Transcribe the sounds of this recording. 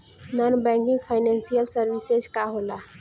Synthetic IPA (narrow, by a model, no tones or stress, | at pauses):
nanbɛ̃ŋkĩŋɡpʰajnãnsijəlsəɾbisezkaɦola